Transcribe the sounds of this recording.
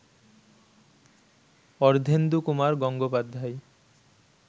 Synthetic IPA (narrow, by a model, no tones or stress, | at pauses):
ɔɾd̪ʱend̪ukumaɾɡɔŋɡopad̪ʱːaj